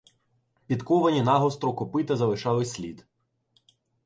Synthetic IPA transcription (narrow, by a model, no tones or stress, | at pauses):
pʲit̪kɔʋɐnʲinɑɦɔst̪ɾɔkɔpɪt̪ɐzɐlˠɪʃɑlˠɪsʲlʲḭd̪